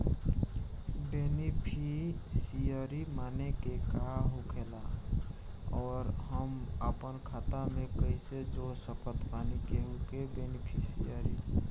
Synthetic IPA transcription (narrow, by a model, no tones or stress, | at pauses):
benipʰisijəɾimanekekaɦukʰela | ɔːɾɦəməpənkʰat̪amekəjsed͡ʒosəpət̪panikeɦukebenipʰisḭjəɾḭ